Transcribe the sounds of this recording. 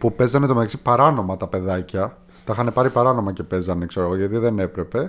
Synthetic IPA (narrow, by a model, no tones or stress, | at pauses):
pupe̞zɐne̞t̪omeɐksipɐɾɐno̞mɐt̪ɐpe̞ðɐcɐ | t̪ɐxɐne̞pɐɾipɐɾɐno̞mɐce̞pe̞zɐne̞kse̞ɾoɣo̞ʝɐt̪iðe̞ne̞pɾe̞pe̞